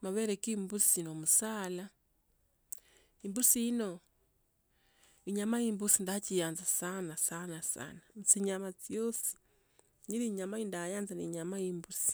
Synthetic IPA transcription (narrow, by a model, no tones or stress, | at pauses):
maβɛɾɛkimbusiinomusala | imbusiinɔ | iɲamaimbusindat͡ʃijanzasanasanasa̰namt͡siɲamat͡sjɔsi̥ | ɲiɾiɲamaindajanzanḭɲamaimbusi̥